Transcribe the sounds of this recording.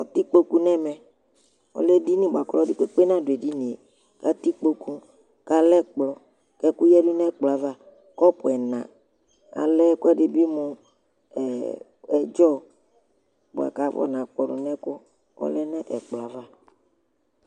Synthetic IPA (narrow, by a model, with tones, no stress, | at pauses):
ɔ̰˦t̪i˦k͡po˦ku˦nɛ̃˦mɛ̃˨ | ɔ̰˨˦lɛ˦di˦nĩ˦bo˨a˨klɔ˦di˦k͡pe˦k͡pe˦nã˦˨dʊ˨e˨di˦nĩ˨e˨ | ka˦t̪i˦k͡po˦ku˦ | ka˦lɛ˦k͡plɔ˨ | kɛ˦ku˦jɛ˦du˦nɛ̃˦k͡plɔ˨a˨˦va˦ | kɔ˦pʊ˨ɛ˨nã̰˨ | a̰˨lɛ˦ku˦ɛ˦dɪ˨bi˦mũ˨ | ɛ˨ | ɛ˨d͡ʒɔ˦ | bo̰˨a̰˨ka˨vɔ̰˦˨nã˨k͡pɔ˨dʊ˨nɛ̃˦ko˦ | ɔ̰˦lɛ˦nɛ̃˦ʔɛ˨k͡pla˨va˦˨